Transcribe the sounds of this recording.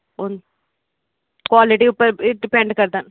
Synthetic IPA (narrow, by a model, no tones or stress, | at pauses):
ɔnd̪ | kʋaːlɪʈiʊpːɐɾɖɪpeɳɖkɐɾt̪aːn